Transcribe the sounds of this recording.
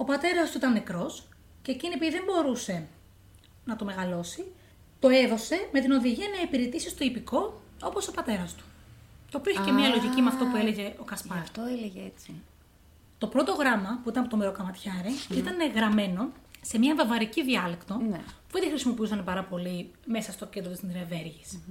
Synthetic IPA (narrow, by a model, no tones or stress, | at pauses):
o̞pɐt̪e̞ɾɐst̪uit̪ɐnːekɾo̞s | ceːciniepiðembo̞ɾuse̞ | nɐt̪o̞me̞ɣɐlo̞si | t̪o̞e̞ðo̞se̞me̞t̪ino̞ðiʝiɐnɐepiɾet̪isist̪o̞ipiko̞ | o̞poso̞pɐt̪e̞ɾɐst̪u̥t̪opoçicemɲɐlo̞ʝicimeɐft̪o̞pue̞le̞ʝe̞ʔo̞kɐspɐft̪oeleʝet͡si | t̪o̞pɾo̞t̪o̞ɣɾɐmɐpuit̪ɐnɐpot̪meɾokɐmɐt̪çɐɾiit̪ɐne̞ɣɾɐme̞no̞se̞mɲɐvɐvɐɾiciðiɐlekt̪o̞puveðixɾisimo̞piusɐnepɐɾɐpo̞lime̞sɐst̪o̞ced̪ɾot̪isɾeve̞ɾʝis